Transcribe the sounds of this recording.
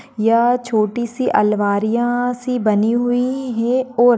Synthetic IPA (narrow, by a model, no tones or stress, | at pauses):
jaːt͡ʃʰoːʈisiʔɐlʋaːɾijãsibəniɦʊiɦɛoːɾ